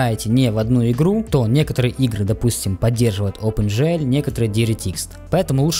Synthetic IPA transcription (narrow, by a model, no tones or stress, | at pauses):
ajɪtʲɪnʲevɐd̪nuɪɡɾut̪o̞nʲe̞kət̪əɾɨjəʔiɡɾɨd̪ɐpusʲtʲɪmpɐdʲːe̞rʐɨvəjʊt̪ʰopənʐɨɛlʲnʲe̞kət̪əɾɨjdʲiɾʲɪtʲikst̪pɐɛt̪əmʊlˠu